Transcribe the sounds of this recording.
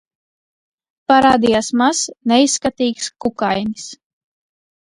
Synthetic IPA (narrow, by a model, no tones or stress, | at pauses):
paɾaːd̪ijasmasnɛisːkat̪iːkskukajnis